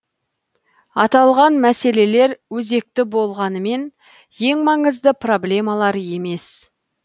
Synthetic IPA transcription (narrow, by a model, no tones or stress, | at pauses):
ɑt̪ɑlˠʁɑnmæse̞le̞le̞ɾwɵze̞k̚t̪ɪbo̞lˠʁɑnəme̞n | je̞ŋmɑɴəzd̪əpro̞blʲe̞mɑlˠɑɾje̞me̞s